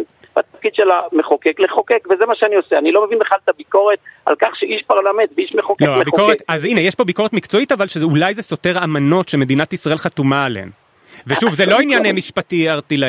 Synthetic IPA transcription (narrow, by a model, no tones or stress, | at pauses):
bat̪afkid̪ʃelameχokekleχokekvezemaʃeanioseanilo̞mevinbeχalt̪abiko̞ʁet̪̚ʔa̰lkaχʃeʔiʃpaʁlament̪veiʃmeχokleoamebikoʁetazinejeʃpo̞biko̞et̪mikt͡so̞itavalʃeulajzeso̞te̞ʁamano̞tʃeme̞dinatisʁaelχat̪umaːleḛm | veʃuvzelo̞injanemiʃpatiaʁt̪ila